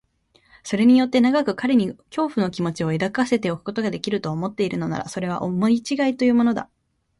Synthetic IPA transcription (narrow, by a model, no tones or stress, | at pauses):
so̞ɾe̞ɲ̟ijo̞t̪ːe̞naɡakɯ̟kaɾe̞ɲ̟ikʲo̞ːɸɯ̟no̞kʲimo̞t͡ɕio̞e̞d̪akase̞t̪e̞okɯ̟ko̞t̪o̞ɡad̪e̞kʲiɾɯ̟t̪o̞ːmo̞t̪ːe̞iɾɯ̟no̞na̰ɾa̰so̞ɾe̞β̞a̰ʔomo̞it͡ɕiɡait̪o̞jɯ̟ːmo̞nod̪a̰